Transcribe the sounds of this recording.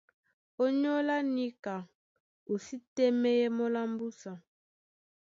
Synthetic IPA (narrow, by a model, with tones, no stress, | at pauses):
o˦ɲ˦ɔ˦la˦ni˦ka˨ | u˨si˦tɛ˦mɛ˦jɛ˦mɔ˦la˦mbu˦sa˨